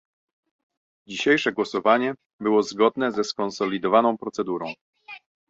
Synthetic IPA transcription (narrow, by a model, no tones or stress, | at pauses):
d͡ʑiɕejʂɛɡwɔsɔvaɲɛ | bɘwɔzɡɔd̪nɛzɛskɔnsɔlʲid̪ɔvanɔ̃w̃pɾɔt̪sɛd̪uɾɔ̃w̃